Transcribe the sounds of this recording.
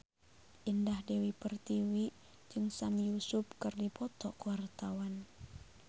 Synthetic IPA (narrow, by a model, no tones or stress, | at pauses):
ʔindahdewipərt̪iwi | d͡ʒɨŋsamjusup̚kɨrdipʰɔt̪ɔkuwart̪awan